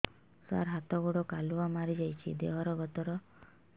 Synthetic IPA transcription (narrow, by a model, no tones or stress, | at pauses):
sa̰ɾɦat̪ɔɡoɽɔkaluamaɾid͡ʒajt͡ʃʰḭd̪eɦɔɾɔɡɔt̪ɔɾɔ